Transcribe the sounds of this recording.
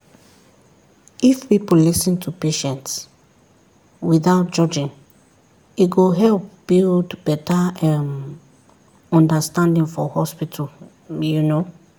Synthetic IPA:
ifpipolisĩntʰupeʃɛ̃nts | wiθaʊt̚d͡ʒɔd͡ʒĩn | iɡoɦɛlp̚b̥ildbɛtʰaɛm | ɔ̃ndəstãndĩŋfɔhɔspitʰal | juno

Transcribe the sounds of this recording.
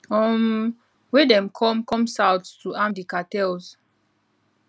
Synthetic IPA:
ɔm | wedɛ̃mkʰɔ̃mkɔ̃msawttuãmdikatɛlz

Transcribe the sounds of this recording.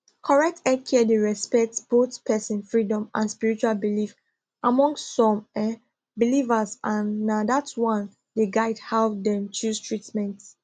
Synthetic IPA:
kʰɔɹɛk̚tʰɛkʰɛɛdeɹɛspɛk̚tb̥oθpʰɛsə̃nfɹidɔ̃mʔãnspiɹit͡ʃualbilif | ʔamɔ̃ŋstsɔ̃mɛ | bilivəzʔãnːadatwãn | deɡaɪdhɛlvdɛ̃mt͡ʃustʰɹitmɛ̃nt

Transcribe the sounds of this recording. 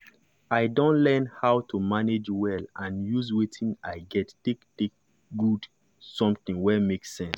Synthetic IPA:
aɪdõntlɛnhaʊtʰumaned͡ʒwɛlãnjuzwetʰĩnaɪɡɛttektek̚ | ɡud | sɔ̃mθĩŋwɛmeksɛ̃ns

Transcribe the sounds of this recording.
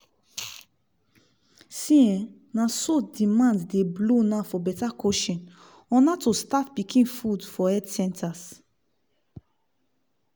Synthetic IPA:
sĩɛ̃ | nãsodimãnddeblonafɔbɛtakʰoʃɔ̃n | ɔ̃natostatpikʰĩnfudfɔɛdsɛ̃ntʰas

